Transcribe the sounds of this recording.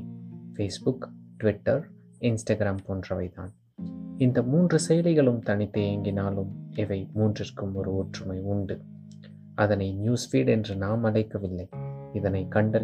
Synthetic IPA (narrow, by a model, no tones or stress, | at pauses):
feːsbʊkʈʋɪʈːɐɾ | ɪnsʈɐɡɪɾaːmpoːndrɐʋɐ̰ɪða̰ːn | ɪnd̪ɐmuːndrɯsɛjɐlɪɣɐɭɯmt̪ɐɳɪt̪ːɯeːŋɡɪnaːlɯmɪʋɐɪmuːndrɪrkɯmɔɾɯoːʈrɯmɐɪʊɳɖɯ | ɐðɐnɐɪnjuːsfiːɽɛndrɯnaːmɐlɐɪkːɐʋɪlːɐɪɪðɐnɐɪkɐɳɖɐ